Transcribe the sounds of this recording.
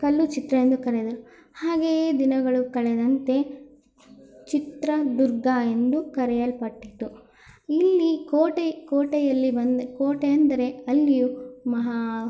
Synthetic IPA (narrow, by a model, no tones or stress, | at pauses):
kɐlːut͡ʃit̪ɾɐend̪ukɐɾɛd̪ɐɾu | haːɡe̞d̪inɐɡɐɭukɐɭɛd̪ɐnt̪e̞ | t͡ʃit̪ɾɐd̪uɾɡae̞nd̪ukɐɾɛjɐlpɐʈːit̪ːu | ilːikoːʈekoːʈejɐlːibɐnd̪koːʈeɐnd̪ɐɾe̞ɐlːijumɐɦɐ